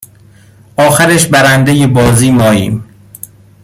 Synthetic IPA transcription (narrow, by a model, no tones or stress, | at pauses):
ʔɒːxæɾeʃbæɾænd̪ejebɒːziːmɒːjḭːm